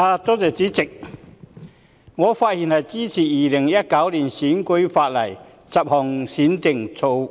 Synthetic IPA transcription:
aː˧t̪o˥t͡sɛː˨˩t͡siː˨˥t͡sɪ˨k̚ | ŋɔː˨˧faː˧t̚hi˨˩nhɐ˨˩jt͡siː˥t͡sʰiː˨˩jiː˨˩lɪ˨˩ŋjɐ˥t̚kɐ˨˥wliː˨˩nsiː˨˥nkə˧˥jfaː˧t̚lɐ˨˩j | t͡sɐ˨p̚hɔː˨˩ŋsiː˨˥nt̪ɪ˨˩ŋt͡sʰo˧w

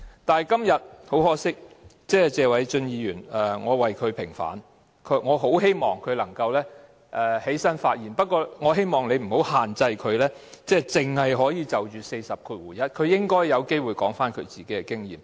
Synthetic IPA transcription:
t̪aː˨˩jkɐ˥mjɐ˨t̚ho˨˥whɔː˥sɪ˥k̚ | t͡sɛː˥t͡sɛː˨˧wɐ˨˥jt͡ʃɵ˧njiː˨˧jyː˨˩nɛː˨ŋɔː˨˧wɐ˨jkʰɵ˨˧ɥpʰɪ˨˩ŋfa̰ː˨˥n | kʰɵ˨˧ŋɔː˨˧ɦo˨˥wɦe˥jmɔː˨ŋkʰɵ˨˧ɥlɐ˨˩ŋkɐ˧wlɛː˥ | ʔɛː˨˩he˨˥jsɐ˥nfaː˧t̚jiː˨˩npɐ˥t̚kʷɔː˧ŋɔː˨˧ɦe˥jmɔː˨ŋne˨˧m̩˨˩ho˨˥whaː˨nt͡sɐ˧jkʰɵ˨˧ɥlɛː˥t͡sɛː˥t͡sɪ˨ŋhɐ˨jɦɔː˨˥jiː˨˧t͡sɐ˨wt͡ʃyː˨se˧jsɐ˨p̚kʰuː˧t̚wuː˨˩jɐ˥t̚kʰɵ˨˧ɥjɪ˥ŋkɔː˥jjɐ˨˧wke˥jwu˨jkɔ̰ː˨˥ŋfaː˥nkʰɵ˨˧t͡siː˨ke˨˥kɛ˧kɪ˥ŋjḭː˨m

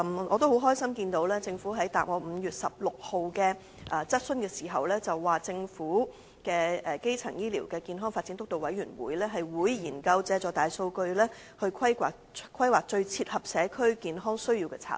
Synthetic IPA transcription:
ɔː˨˧t̪o˥who˨˥wɦɔː˥jsɐ˥mkiː˧nt̪o˨˧˥wlɛː˥t͡sɪ˧ŋfuː˨˥ɦɐ˨˥jt̪aː˨p̚ŋɔː˨˧m̩ː˨˧jyː˨t̚sɐ˨p̚lʊ˨k̚ho˨wkɛ˧ | ʔɛ˨t͡sɐ˥t̚sɵ˥nkɛː˧siː˨˩ɦɐ˨wlɛː˥t͡sɐ˨wːaː˨˩t͡sɪ˧ŋfuː˨˥ | kɛː˧ɛ˨ke˥jt͡sʰɐ˨˩ŋjiː˥lḭ˨˩wkɛː˧kiː˨˧nɦɔː˥ŋfaː˧tt͡si˨˥nt̪ʊ˥k̚t̪o˨wɐ̰˨˥jɥyː˨˩nwṵː˨˥jlɛː˥ɦɐ˨jwuː˨˧jjiː˨˩nkɐ˧wt͡sɛː˧t͡ʃɔː˨˧t̪aː˨jso˧wkɵ˧ɥlɛː˥ | hɵ˧ɥkʰɐ˥jkaː˨˩kʰ | kʰɐ˥jwaː˨k̚t͡ʃɵ˧ɥt͡sʰiː˧t̚hɐ˨p̚sɛː˨˧kʰɵ˥ɥkiː˨nɦɔː˥ŋsɵ˥ɥjiː˧wkɛ˧t͡sʰa̰ː˧˩t̚

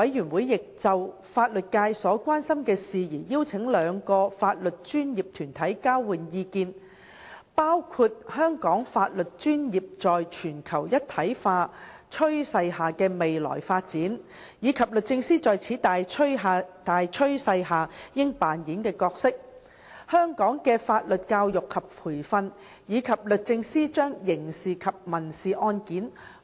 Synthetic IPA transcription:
wɐ˨˥jyː˨˩nwuː˨˥jːɪ˨k̚t͡sɐ˨w | faː˧t̚lɵ˨t̚kaː˧jsɔː˨˥kʷwaː˥nsɐ˥mkɛː˧siː˨jiː˨˩jiː˥wt͡sʰɪ˨˥ŋlœː˨˧ŋkɔː˧faː˧t̚lɵ˨t̚t͡ʃyː˥njiː˨˩p̚t̪ʰyː˨˩nt̪ʰɐ˨˥jkaː˥wwuː˨˩njiː˧kiː˧n | paː˥wkʰu˧t̚hœː˥ŋkɔː˨˥ŋfaː˧t̚lɵ˨t̚t͡ʃyː˥njiː˨p̚t͡sɔː˨jt͡ʃʰyː˨˩nkʰɐ˨˩wjɐ˥t̚t̪ʰːɐ˨˥jfaː˧ | t͡ʃʰɵ˥ɥsɐ˧jɦaː˨kɛː˧me˨jlɔ̰ː˨˩jfaː˧t̚t͡siː˨˥n | jiː˨˧kʰɐ˨p̚lɵ˨t̚t͡sɪ˧ŋsiː˥t͡sɔː˨jt͡sʰiː˨˥t̪aː˨˥a˧t̪aː˨jt͡ʃʰɵ˥ɥsɐ˧jɦaː˨jɪ˥ŋpaː˨nji˨˥nkɛː˧kɔː˧k̚sɪ˥k̚ | hœː˥ŋkɔː˨˥ŋkɛː˧faː˧t̚lɵ˨t̚kaː˧wjʊ˨kʰːɐ˨p̚pʰuː˨˩jfɐ˧n | jiː˨˧kʰɐ˨p̚lɵ˨t̚t͡sɪ˧ŋsiː˥t͡ʃœː˥ŋjɪ˨˩ŋsiː˨˩kʰɐ˨p̚mɐ˨˩nsiː˨ʔɔː˧nkiː˨˥n

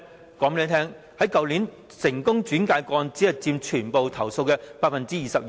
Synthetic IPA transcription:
kɔː˨˥ŋpe˥˧t̪ʰɛː˥ŋ | hɐ˨˥jkɐ˨wliː˨˥n | sɪ˨˩ŋkʊ˥ŋt͡ʃyː˨˥nkaː˧jkɔː˧nt͡siː˨˥hɐ˨jt͡siː˧mt͡ʃʰyː˨˩npo˨wt̪ʰɐ˨˩wso˧wkɛ˧paː˧t̚fɐ˨nt͡siː˥jiː˨sɐ˨p̚ː

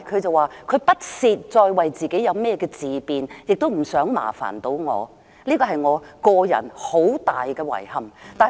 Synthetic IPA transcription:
kʰɵ˨˧ɥt͡sɐ˨˧waː˨kʰɵ˨˧˥pɐ˥t̚siː˨t̚t͡sɔː˧jwɐ˨jt͡siː˨ke˨˥jɐ˨˧wmɛː˥kɛː˧t͡siː˨piː˨njɪ˨k̚t̪o˥wm̩˨˩sœː˨˥ŋma̰ː˨˩fa̰ː˨˩nt̪o˨˥wŋɔ̰ː˨˧ | liː˥kɔː˧ɦɐ˨jŋɔː˨˧kɔː˧jɐ̰˨˩nho˨˥wt̪aː˨jkɛː˧wɐ̰˨˩jhɐ˨mt̪aː˨˩

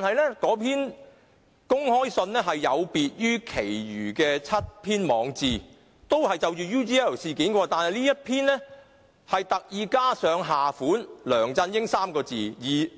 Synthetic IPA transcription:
taː˨nhɐ˨jlɛː˥kɔː˨˥pʰiː˥n | kʊ˥ŋhɔː˥jsɵ˧nlɛː˥ɦɐ˨jːɐ˨˧wpiː˨t̚jyː˥kʰe˨˩jjyː˨˩kɛː˧t͡sʰɐ˥t̚pʰiː˥nmɔː˨˧ŋt͡siː˨ | t̪o˥whɐ˨jt͡sɐ˨wt͡ʃyː˨juː˥ti˧ɛː˥˩wsiː˨kiː˨˥nkɔː˧t̪aː˨nhɐ˨jniː˥jɐ˥t̚pʰiː˥nlɛ˥ | hɐ˨jt̪ɐ˨k̚jiː˨kaː˥sœː˨˧ŋɦaː˨fuː˨˥nlœː˨˩ŋt͡sɐ˧njɪ˥ŋsaː˥mkɔː˧t͡siː˨jiː˨˩

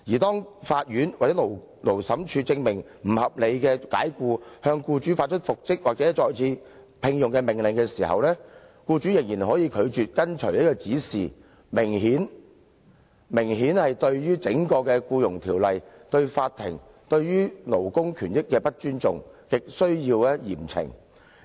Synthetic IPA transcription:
jiː˨˩t̪ɔː˥ŋfaː˧t̚jyː˨˥nwaː˨˩t͡sɛː˨˥lo˨˩w | lo˨˩wsɐ˨˥mt͡ʃʰyː˧t͡sɪ˧ŋmɪ˨˩ŋ | m̩˨˩hɐ˨p̚le˨˧jkɛː˧ka̰ː˨˥jkuː˧hœː˧ŋkuː˧t͡ʃyː˨˥faː˧t̚t͡ʃʰɵ˥t̚fʊ˨k̚t͡sɪ˥k̚waː˨˩t͡sɛː˨˥t͡ʃɔː˨jt͡sʰiː˧ | pʰɪ˧ŋjʊ˨˩ŋkɛ˧mɪ˨˩ŋlɪ˨˩ŋkɛː˧siː˨˩hɐ̰˨wlɛː˥ | kuː˧t͡ʃyː˨˥jɪ˨˩ŋjiː˨˩nɦɔː˨˥jiː˧kʰɵ˨˧ɥt͡ʃyː˨t̚kɐ˥nt͡ʃʰɵ̰˨˩jɐ˥kɔː˧t͡siː˨˥siː˨ | mɪ˨˩ŋhiː˨˥n | mɪ˨˩ŋɦiː˨˥nhɐ˨jt̪ɵ˧ɥjyː˥t͡sɪ˨˥ŋkɔː˧kɛː˧kuː˧jʊ˨˩ŋt̪ʰiː˨˩wlɐ˨jt̪ɵ˧ɥfaː˧t̪ʰːɪ̰˨˩ŋ | t̪ɵ˧ɥjyː˥lo˨˩wkʊ˥ŋkʰyː˨˩njɪ˥kːɛː˧pɐ˥t̚t͡ʃyː˥nt͡sʊ˨ŋkɪ˨k̚sɵ˥ɥjiː˧wɛː˥jḭː˨˩mt͡sʰɪ̰˨˩ŋ

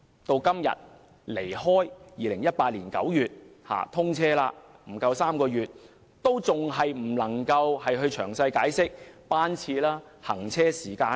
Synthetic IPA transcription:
t̪o˧wkɐ˥mjɐ̰˨˩t̚ | le˨˩jhɔː˥jjiː˨lɪ˨˩ŋjɐ˥t̚paː˧t̚liː˨˩nkɐ̰˨˥wjyː˨˩t̚ha̰ː˨˩t̪ʰʊ˥ŋt͡sʰɛː˥laː˧m̩˨˩kɐ˧wsaː˥mkɔː˧jyː˨t̚ | t̪o˥wt͡sʊ˨ŋɦɐ˨jm̩˨˩lɐ˨˩ŋkɐ˧whɐ˨jɦɵ˧ɥt͡ʃʰœː˨˩ŋsɐ˧jkaː˨˥jsɪ˥k̚paː˥nt͡sʰiː˧laː˥ | hɐ̰˨˩ŋt͡sʰɛː˥siː˨˩kaː˧

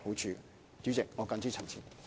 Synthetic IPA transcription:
ho˨˥wt͡ʃʰyː˧ | t͡sy˨˥t͡sɪ˨k̚ŋɔː˨˧kɐ˧nt͡si˥t͡sʰɐ˨˩t͡sʰiː˨˩n

